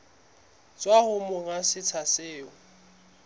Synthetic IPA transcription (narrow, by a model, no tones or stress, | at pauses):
t͡sʼwahʊmʊŋasɪt͡sʰaseːʊ